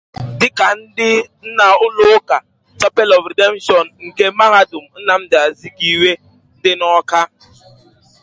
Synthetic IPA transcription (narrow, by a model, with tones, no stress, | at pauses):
dɪ˦ka˨n̩˦dɪ˦n̩˦na˨ʊ˦lʊ˦ka˨ | t͡ʃɔ˦pe˦lɔ˨fɾe˨de˦m˦ʃɔ˨n̩ŋ̩˨ke˦ma˦ɦa˦dʊ˨m̩˨n̩˦na˨m̩˦dɪ˨a˨zi˦ɡi˦˨we˦ | n̩˦dɪ˦nɔ˦ka˦